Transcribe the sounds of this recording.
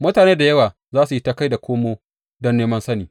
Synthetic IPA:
mʊ˦taː˨neː˦da˨jɐ˦waː˨ | zaː˦su˨ji˦ta˦ka˦jda˨kʷoː˦moː˦ | dɔ˦nːeː˦mɐ˦nsɐ˦niː˨

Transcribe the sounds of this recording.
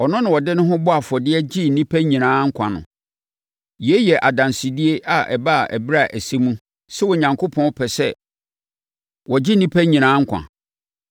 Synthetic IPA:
ɔ˨nʊ̃˦nɪ̃˨wɔ˨dɪ˦nʊ̃˦ɦʊ̃˦bɔ˦a˨fɔ˨dɪ˦ɛ˦d͡ʑi˦n̩˨nĩ˦pʰæ˦ɲĩ˨nãː˨˦ŋ̩˦kʷʰã̰˨nʊ̰̃˨ | je˦jɛ˨ʔa˨dã˨nsi˨di˦e˦ʔa˨ʔɛ̰˨ba˦˨ʔɛ˨bɪ˦ɾa˦˨ʔæ˨si˦mũ˦ | sɛ˦wɔ˨ɲã˨ŋkʰo˦pʰɔ̃˦n˦pʰɛ˨sɛ˦ | wɔ˨d͡ʑɪ˦nĩ˦pʰæ˦ɲĩ˨nãː˨˦ŋ̩˦kʷʰã̰˨

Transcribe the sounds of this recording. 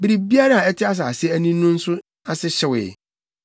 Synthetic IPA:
bɪ˦ɾi˨bi˦a˦ɾa˦a˨ɛ˦tʰɪ˦a˦s̬a˨a˨sɛ˦æ˦˨nĩ˦ũ˦n̩˦sʊ˦ | a˨sɪ˦ɕɛ˨wɪ̰˨

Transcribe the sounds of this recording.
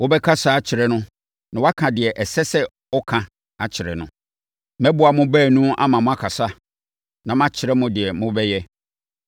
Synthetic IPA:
wo˦bɛ˦kʰa˦sa˦a˨t͡ɕʰɪ˨ɾɛ˦nʊ̃˦ | nã˨wa˦kʰã˨dɪ˨ɛ˨ʔɛ˨sɛ˦sɛ˦ | ɔ˦kʰã˨ | a˨t͡ɕʰɪ˨ɾɛ̰˨nʊ̃˨ | mɛ̃˦bʊ˦a˨mʊ̃˦bɛː˦˨nũ˦a̰˦mã˨mʊ̃˦a˦kʰa˨sa˦ | nã˨mã˦t͡ɕʰɪ˨ɾɛ˦mʊ̃˦dɪ˨ɛ˨mʊ̃˦bɛ˦jɛ˦

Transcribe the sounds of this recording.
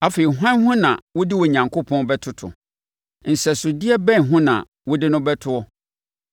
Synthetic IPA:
a˦fe˨i˨ɦã˦nhʊ̃˦nã̰˨wʊ˦dɪ˦wɔ˨ɲã˨ŋkʰo˦pʰɔ̃˦bɛ˦tʰʊ˦tʰʊ̰˨ | n̩˨sɛ˨sʊ˨dɪ˦ɛ˦bɛ̃˦nɦʊ̃˦nã̰˨ | wɔ˦dɪ˦nʊ̃˦bɛ˦tʰʊ˦ɔ˦

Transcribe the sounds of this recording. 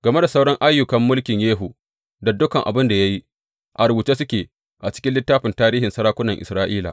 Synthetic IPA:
ɡ̥ɐ˨me˦da˨sa˦wɽɐ˦ŋʔa˦jːʊ˨kɐ˨mːʊ˦lkʲɪ˨ɲjeː˦ɦu˨ | da˨dʊ˦kɐ˨ŋʔa̰˨bɪ˦nda˨ja˦ji˦ | ʔa˨ɾʊ˨buː˨t͡ʃeː˦sʊ˦kʲeː˨ | ʔa˨t͡ʃɪ̥˦kʲɪ˦nlɪ˦tːaː˦ɸɪ˨ntaː˦ɾiː˦ɦɪ˨nsɐ˦ɾaː˦kʷʊ˦nɐ˨ŋʔɪ̰˨sɾaː˦ʔiː˦la̰˨

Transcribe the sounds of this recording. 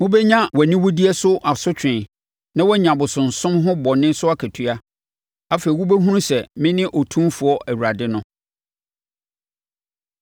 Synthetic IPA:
mʊ̃˦bɛ˦ɲã˦wɔ˨nɪ̃˦wʊ˦di˦ɛ˦sʊ˦ʔa˨sʊ˦t͡ɕᶣɪ̃˨n | nã˦wɔ˦ɲã˨bʊ˨sʊ̃˨n̩˨sʊ̃˦mɦʊ̃˦bɔ˨nɪ̃˦n˦sʊ˦a˦kʰæ˨tʰɥa˦ | a˦fe˨i˨wu˦bæ˦ɦũ˦ɾũ˦sɛ˨mɪ̃˦nɪ̃˦ʔɔ˨tʰũ˦mfʊ˨ɔ˦ʔæ˨wu˨ɾa˨dɪ˦nʊ̃˦

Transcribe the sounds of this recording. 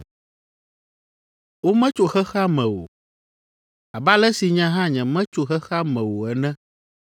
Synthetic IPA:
wo˦mɛ̃˦t͡ʃo˨xɛ˦xa˦mɛ̃˨wo̰˨ | a˨ba˦lɛ˦si˨ɲã˦ɦã˦ɲɛ̃˨mɛ̃˦t͡ʃo˨xɛ˦xa˦mɛ̃˨wo˨ɛ˨nɛ̃˦

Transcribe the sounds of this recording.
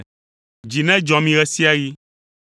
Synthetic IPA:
d͡ʒi˨nɛ̃˦d͡ʒɔ̃˨mĩ˦ɣɛ˦si˦a˦ji˦

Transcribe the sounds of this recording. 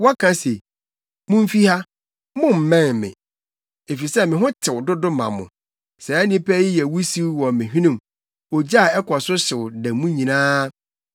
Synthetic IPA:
wɔ˦kʰã˦se˨ | mʊ̃˦m̩˦fi˦ha˦ | mʊ̃˦m̩˨mɛ̃˦˨nmɪ̰̃˨ | e˨fi˨sɛ˦mɪ̃˨ɦʊ̃˦t͡ɕʰɪ˨wʊ˨dʊ˦dʊ˦mã̰˨mʊ̰̃˨ | sɛ˨æ˦nɪ̃˦pʰæ˦jɪ˦jɛ˨wu˦si˦wɔ˨mɪ̃˨ɦᶣĩ˦nũ˦˨m | ɔ˨d͡ʑa˦˨ɛ˦kʰɔ˨sʊ˦ɕɪ˨wʊ˨dæ˨mũ˦ɲĩ˨nãː˦

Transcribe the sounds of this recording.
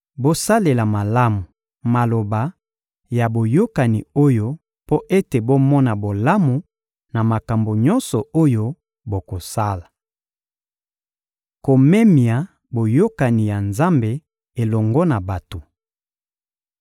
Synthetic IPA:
bo˦sa˦le˨la˨ma˨la˦mu˨ | ma˨lo˨ba˨ | ja˨bo˨jo˦ka˨ni˨o˦jo˦ | po˦ʔe˦te˨bo˦mɔ˦na˨bo˨la˦mu˨ | na˨ma˨ka˨mbo˨ɲɔ˦nsɔ˨o˦jo˦ | bo˨ko˨sa˦la˨ | ko˨me˦mi˨a˨ | bo˨jo˦ka˨ni˨ja˨nza˦mbe˨ | e˨lɔ˨ŋɡɔ˦na˨ba˨to˨

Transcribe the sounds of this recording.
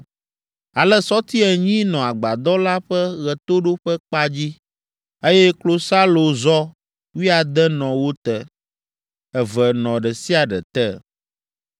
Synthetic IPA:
a˨lɛ˦sɔ˦t̪i˦ɛ˨ɲĩ˦nɔ̃˨a˨ɡ͡ba˨d̪ɔ˦la˦ɸɛ˦ɣɛ˨t̪o˦ɖo˦ɸɛ˦k͡pa˦d͡ʑi˦ | e˦jɛ˦klo˦sa˦lo˨zɔ˦ | wi˦a˨d̪ɛ˦nɔ̃˨wo˦t̪ɛ˨ | ɛ˨vɛ˨nɔ̃˨ɖɛ˨si˦a˨ɖɛ̰˨t̪ɛ˦˨

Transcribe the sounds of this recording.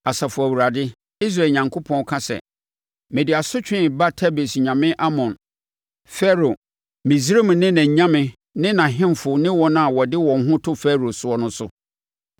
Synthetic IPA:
a˨sa˨fʊ˨æ˨wu˨ɾa˨dɪ˦ | i˦s̬ɾa˨ɲã˨ŋkʰo˦pʰɔ̃˦n˦kʰã˦sɛ̰˨ | mɪ̃˨di˨a˨sʊ˦t͡ɕᶣɪ̃˦ba˦tʰa˦be˨sɲã˨mɪ̃˦ʔa˦mɔ̃˨n | fɛ˦ɾo˨ | mɪ̃˨zɾe˦m̃˨nɪ̃˦nã˨ɲ˨ɲã˦mɪ̃˨ | nɪ̃˦nã˨ɦɪ̃˦mfʊ˨nɪ̃˦wɔ˦nã˦a˨wɔ˨dɪ˦wɔ̃˨ŋ˦ɦʊ̃˦tʰʊ˦fɛ˦ɾo˨sʊ˦ɔ˦nʊ̃˦sʊ˦

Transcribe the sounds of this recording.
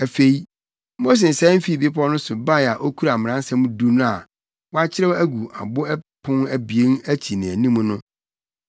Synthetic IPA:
æ˨fe˨i˦ | mo˦s̬e˨sɛ̃˦m̩˦fi˦˨bi˦pʰɔ˦nʊ̃˦sʊ˨ba˦˨a˨ʔo˦kʰu˦ɾa˨m˨ã˦n̩˦sã˦mũ˦du˦nʊ̃˦a˨ | wɔ˦a˦t͡ɕʰɪ˦ɾɛ˦æ˦ɡu˨a̰˨bʊ˦ɛ˦pʰʊ̃˦næ˦bi˨e˦næ˦t͡ɕʰi˨nɪ̃˨æ˨nĩ˦mũ˦nʊ̃˦

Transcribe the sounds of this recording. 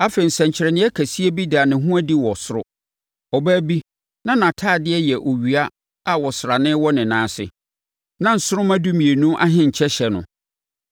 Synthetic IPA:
a˦fe˨n̩˨sɛ̃˨ɲ̩˨t͡ɕʰɪ˨ɾɛ˨nɪ̃˦ɛ˦kʰæ˨si˦e˦bi˦daː˨nɪ̃˨ɦũ˦æ˦di˦wɔ˨sʊ˦ɾʊ̰˦ | ɔ˨bæː˦bi˦ | nã˦nã˨tʰaː˦˨dɪ˦ɛ˦jɛ˨ʔo˨ɥi˨a˦ | a˨wɔ˨sɾa˨nɪ̃˦wɔ˦nɪ̃˨nãː˨˦sɪ̰˨ | nã˦n̩˨sʊ˦ɾʊ˦mã˦du˦mĩ˨e˨nũ˦ʔa̰˦ɦɪ̃˦ɲ̩˨t͡ɕʰɛ˦ɕɛ˨nʊ̰̃˨

